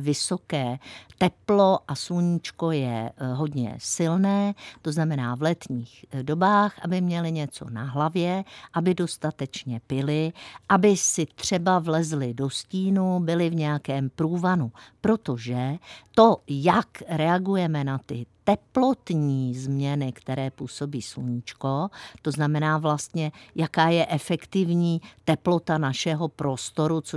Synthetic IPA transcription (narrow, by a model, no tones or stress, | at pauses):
vɪsokɛːt̪ɛplo̞ʔasluɲit͡ʃko̞jɛ̰ɦo̞dɲɛ̰sɪlnɛːt̪o̞znamɛnaːvlɛt̪ɲiːxdo̞baːxʔabɪmɲɛlɪɲɛt͡so̞̰na̰ɦlavjɛʔabɪdo̞st̪at̪ɛt͡ʃɲɛpɪlɪʔabɪsɪt̪r̝̥ɛbavlɛzlɪdo̞sciːnubɪlɪvɲɛjakɛːmpɾuːvanupɾo̞t̪o̞ʒɛt̪o̞jakɾɛaɡujɛmɛnat̪ɪt̪ɛplo̞t̪ɲiːzmɲɛnɪkt̪ɛɾɛːpuːso̞biːsluɲɪt͡ʃko̞t̪o̞znamɛnaːvlast̪ɲɛjakaːjɛʔɛfɛkt̪ɪvɲiːt̪ɛplo̞t̪anaʃɛɦo̞pɾo̞st̪o̞ɾut͡so